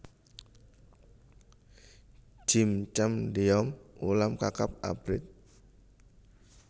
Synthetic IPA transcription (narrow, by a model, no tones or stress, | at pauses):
d͡ʒ̥imt͡ʃamdiɔmulamkakap̚a̰bɾɪt̪̚